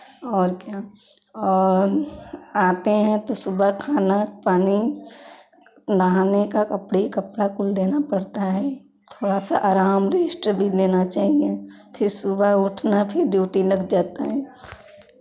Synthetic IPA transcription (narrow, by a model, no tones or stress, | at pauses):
ɔːɾkjaː | ɔːɾ | aːt̪eɦɛ̃t̪osʊbəɦkʰaːnakpaːni | naɦaːnekakɐpɽekəpɽakʊld̪eːnapəɽt̪aɦɛ | t̪ʰoːɽasaʔaːɾaːmɾeːsʈbʱid̪eːnat͡ʃaːɦiepʰɪɾsʊbəɦʊʈʰnapʰɪɾɖjuːʈilɐɡd͡ʒaːt̪aɦɛ̃ː